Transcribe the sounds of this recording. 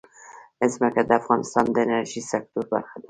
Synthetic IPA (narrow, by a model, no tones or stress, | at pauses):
ɪsmakad̪əafɣɑnɪst̪ɑnd̪əenaɾʒisak̚t̪uɾba̰ɾxad̪a